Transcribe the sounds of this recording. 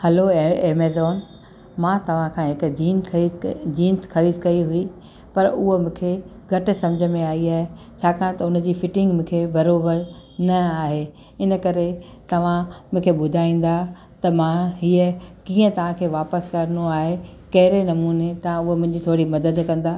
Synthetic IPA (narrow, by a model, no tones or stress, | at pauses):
hɐloeːmeːzɔːn | mãːt̪ɐʋ̤ãkʰãːɦɪkd͡ʑiːn | d͡ʑiːnsxɐɾiːd̪kɐiɦʊi | pɐɾʊɦomʊ̃ːkʰe | ɡʱɐʈ̆sɐ̃md͡ʑʱə̆mẽaːiaːɦe | t͡ɕʰaːkʰãːt̪ɐʊnd͡ʑiːfɪʈɪ̃ŋɡmʊ̃ːkʰebɐɾoːbəɾnɐaːɦe | ɪnəkɐɾet̪ɐʋ̤ãmʊ̃ːkʰeɓʊd̪ʱaːĩːn̆d̪a | t̪ɐmãɦiːəkĩːə̃t̪ɐʋ̤ãkʰeːʋaːpəskɐɾnoaːɦekɐɦɪɾenɐmuːnet̪ɐʋ̤ãʊɦomʊ̃ɦɪ̃ɲd͡ʑit̪ʰoːɽimɐd̪əd̪kɐ̃nd̪aː